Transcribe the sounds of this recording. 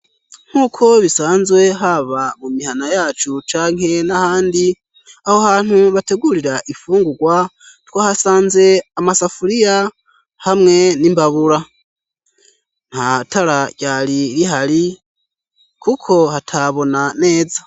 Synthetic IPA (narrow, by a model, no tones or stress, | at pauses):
ŋ̥huːkʰo̞βisaːnzwe̞ɦaβamumihanajaːt͡ʃut͡ʃaːŋe̞nahaːndi | ahohaːn̥huβate̞ɡuɾiɾaʔifuːŋɡuɡwa | twahasaːnze̞amasafuɾija | hamŋe̞nimbaβuɾa | n̥hatʰaɾaɟ̥aːɾiɾiɦaɾi | kʰukʰo̞hatʰaβo̞nane̞ːd͡za